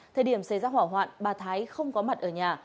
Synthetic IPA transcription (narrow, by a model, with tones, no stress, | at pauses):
t̪ʰəː˨˩ɗi˧˩əmsa˧˩jzaː˧ɦwaː˧˩ɦwa̰ː˧˨nɓaː˨˩t̪ʰaː˨˦jxə˧wŋ͡mkɔ˨˦ma˨˩t̚ʔəː˧˩ɲaː˨˩